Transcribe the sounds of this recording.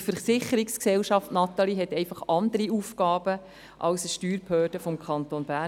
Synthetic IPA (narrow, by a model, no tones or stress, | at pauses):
fəsɪχəɾiksksɛlʃɑftnɑt̪ɑliɦɛt̪ɛɪfɑχʔɑnd̪əɾiufkɑːb̥ə | ʔɑlsəʃtyːɾphøːrd̥əfɔmkʰɑnt̪onbæ